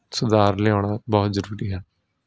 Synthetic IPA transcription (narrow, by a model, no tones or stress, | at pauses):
sʊd̪aːɾleãːɳaːbɔːt̪zəɾuːɾiːɦɛː